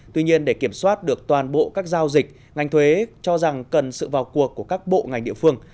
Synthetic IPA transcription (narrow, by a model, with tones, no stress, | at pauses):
t̪wi˧ɲi˧ənɗe˧˩ki˧˩əmswaː˦˥t̚ɗɨ˨˩ək̚t̪waː˨˩nɓo̰˧˨kaː˦˥k̚zaː˧wzï˨˩k̚ | ŋa˨˩jŋ̟t̪ʰwe˨˦t͡ɕɔ˧za˨˩ŋkə˨˩nsɨ̰˧˨vaː˨˩wku˨˩əkːu˧˩əkaː˦˥k̚ɓo̰˧˨ŋa˨˩jŋ̟ɗḭ˧əfɨ˧əŋ